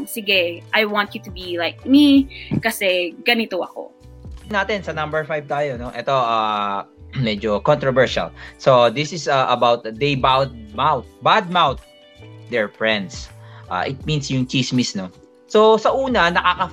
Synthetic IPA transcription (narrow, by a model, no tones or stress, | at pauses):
sɪɡɛʔajwɑ̃nt̪ut̪ubilaɪk̚mikɐsɛɡ̥ɐnit̪oɐ̰ko̰ | naːt̪ɪnsɐnɐ̃mbɛɹfajv̚t̪aːjonoʔɛt̪o̞ʔaː | mɛd͡ʒokɔnt̪ɾɔvɛɹʃɐ̰lsod̪ɪsɪsaʔɐbawt̪̚d̪ejbawd̪̚mawt̪̚bad̪̚mawt̪̚ | d̪ɛɹfɹɛ̃nd̪sʔa̰ːʔɪt̪̚mĩnsjʊŋt͡ʃismɪsno | sosɐʔuːnɐnɐkakɐ